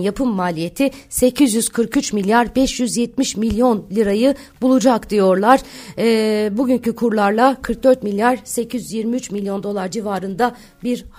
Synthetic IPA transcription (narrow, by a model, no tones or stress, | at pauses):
japʰɯmːaːlʲije̞t̪ʰɪse̞cʰizjyzkʰɯɾkyt͡ʃmilʲjaɾbɛʃjyzjɛt̪̚miʃmilʲjo̞nlʲiɾajɯ | bulˠud͡ʒakd̪̥ijo̞ɾlˠaɾ̥ɛːbuɟyɲcykʰuɾlˠaɾlˠakʰɯɾk̚d̪ø̞ɾt̪milʲjaɾ̥se̞cʰizyzjiɾmiyt͡ʃmilʲjo̞nd̪o̞lˠaɾd͡ʒivaːɾɯnd̪a | biɾ